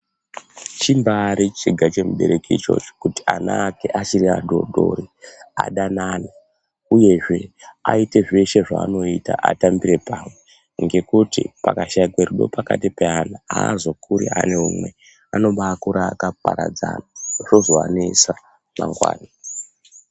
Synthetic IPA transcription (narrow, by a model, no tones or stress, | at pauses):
t͡ʃimbaɾit͡ʃiɡʱat͡ʃe̞muɓe̞ɾe̞kit͡ʃo̞̰t͡ʃe̥kutianaːkeʔat͡ʃiɾia̰dʱo̞̰ɗʱo̞̰ɾiaɗanana | uje̞ʐe̞aite̞ʐe̞ʃe̞ʐa̰ːno̞itaʔatambiɾe̞pamwe̞ | ŋɡe̞kutḭpakaʃaikweruɗo̞̰pakatipeanaazo̞kʰuɾḭane̞umwe̞ | ano̞ɓaːkuɾaːkapaɾa̰d͡zanaʐo̞zoanesa | ma̰ŋɡwa̰ːna